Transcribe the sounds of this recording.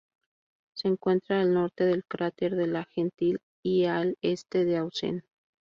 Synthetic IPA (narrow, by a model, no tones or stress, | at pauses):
se̞ːŋkwe̞nt̪ɾaːlno̞ɾt̪e̞ðe̞lkɾat̪eɾðelaxent̪il | iale̞st̪e̞ðeawsḛn